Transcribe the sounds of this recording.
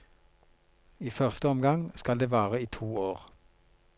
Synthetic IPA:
iːfœʁst̪əɔmɡɑŋskɑld̪eːʋæːʁəiːt̪ʰuːoːʁ

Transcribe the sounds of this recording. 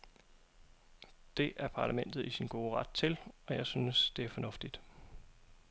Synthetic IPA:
d̥e̝ʔæɐpʰɑ̈læmen̰d̥ð̞̩ˠisinɡ̥o̝ːəʁɑ̈d̥̚t͡sʰe̝lɒ̽jɑ̈ɪsyːnəsd̥e̝æɐfɒ̽nɔ̽fd̥id̥

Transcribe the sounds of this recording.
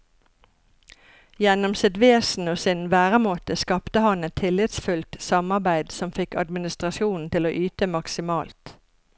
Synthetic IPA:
jɛnɔmsɛd̪ʋeːsn̩oːsɪnʋæːʁəmoːt̪əskɑpt̪əhɑnɛt̪ʰːɪlɪt̪sfʉlt̪sɑmɑʁbæɪd̪sɔmfɪkɑ̰d̪mɪnɪst̪ʁɑʃjuːn̩t̪ɪloːʔyːt̪əmɑksɪmɑːlt̪

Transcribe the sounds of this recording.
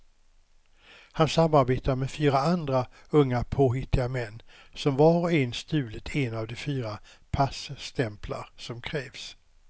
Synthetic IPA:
hansamːaɾbeːt̪aɾmɛfyːɾaand̪ɾa | ɵŋːapʰoːɦɪt̪ʰːɪɡamɛnː | sɔmvɑːɾɔɛnst̪ʉ̟ːlət̪ʰɛnavd̪ɛfyːɾa | pʰasst̪ʰɛmpla̰ɾsɔmkʰɾɛːvs

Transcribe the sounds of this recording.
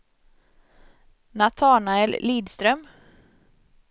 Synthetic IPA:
nat̪ʰɑːɳaɛlliːd̪st̪ɾœm

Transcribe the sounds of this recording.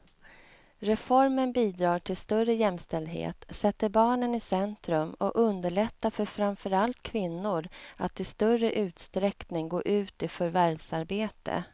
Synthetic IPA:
ɾɛfɔɾmənbiːd̪ɾɑːʈʰɪlst̪ɵrəjɛmst̪ɛld̪ɦḛːt̪sɛt̪ːəɾbɑːɳənɪsɛnt̪ɾɵmɔ̰ʔɵnd̪əɭɛt̪ːafœɾfɾanfœɾalt̪kʰvɪnːʊɾat̪ʰːɪlst̪œrəʔʉ̟ːt̪st̪ɾɛknɪŋɡoːʔʉ̟ːt̪ɪfœɾvæɾsaɾbeːt̪ʰə̰

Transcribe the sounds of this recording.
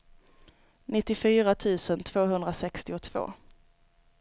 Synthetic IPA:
nɪt̪ːɪfyːɾat̪ʰʉ̟ːsənt̪ʰv̥oːɦɵnd̪ɾasɛkst̪ɪʊt̪ʰv̥o̰ː

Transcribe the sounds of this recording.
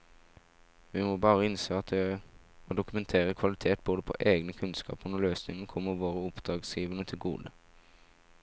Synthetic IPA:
ʋɪmoːbɑːʁəɪnseːɑt̪̚d̪ɛ | oːd̪ʊkʉmɛnt̪ʰeːʁəkʰʋɑlɪt̪ʰeːt̪̚boːd̪əpʰo̰ʔeːɡnəkʰʉnskɑ̰ːpənɔløːsnɪŋənkʰɔmːəʋoːʁəʊpd̪̥ʁɑːɡsjiːʋənət̪ʰɪlɡṵːd̪ə

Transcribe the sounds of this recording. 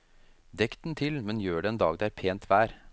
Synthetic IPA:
d̪ɛkt̪n̩t̪ʰɪlmɛnjøːɖɛːnd̪ɑːɡd̪ɛæːɾpʰeːnt̪ʰʋæːɾ

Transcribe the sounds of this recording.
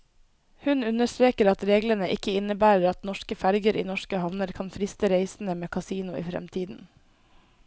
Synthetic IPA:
hʉnʉnəst̪ɾeːkəɾɑt̪ɾeːɡlənəʔɪkəɪnəbæːɾəɾɑt̪nɔʃkəfæɾɡəɾʔiːnɔʃkəhɑʋnəɾkʰɑnfɾɪst̪əɾeɪsn̩əmeːkʰɑsiːnʊḭːfɾɛ̰mt̪ʰiːd̪n̩

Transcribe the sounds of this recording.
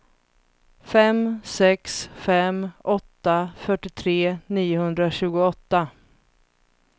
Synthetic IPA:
fɛmsɛksfɛmʔɔt̪ːafœʈɪt̪ʰɾeːniːʊhɵnd̪ɾaɕʉ̟ːɡʊɔt̪ːa

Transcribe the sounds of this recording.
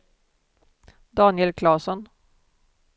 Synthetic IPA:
d̪ɑːnɪɛlkʰlɑːsɔn

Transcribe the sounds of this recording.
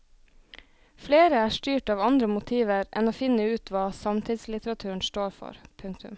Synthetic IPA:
fleːɾəæːʃʈyːʈɑːʋɑnd̪ɾəmʊt̪ʰiːʋəɾʔɛ̰noːfɪnəʉːt̪ʰʋɑːsɑmt̪ʰɪd̪slɪt̪əɾɑt̪ʰʉːɳ̩sʈoːɾfɔ̰ɾpʰʉŋk̚t̪ʉ̰m

